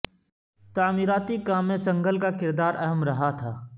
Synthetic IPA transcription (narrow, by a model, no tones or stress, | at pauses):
t̪aːmiːɾaːt̪ikaːmːẽsɐ̃ŋɡʱəlkakɪɾd̪aːɾʔɛɦəmɾɐɦat̪ʰaː